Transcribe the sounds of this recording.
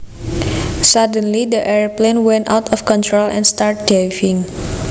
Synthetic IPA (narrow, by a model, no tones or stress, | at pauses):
sadə̃nlidəʔɛɹplẽnwɛ̃nta̰wt̪ʰɔfkɔ̃nt̪ɹolɛ̰̃nst̪aɹt̚devĩŋ